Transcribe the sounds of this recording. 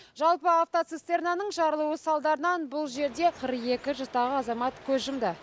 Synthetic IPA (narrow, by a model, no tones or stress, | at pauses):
ʒɑlˠpəaft̪ot̪sest̪eɾnanəɴʒɑɾəlˠuwəsɑlˠd̪ɑɾənɑnbʊlˠʒe̞ɾd̪e̞qʰəɾəqe̞kʲɪʒst̪ɑʁəɑzɑmɑt̪kʲʰɵzʒəmd̪ə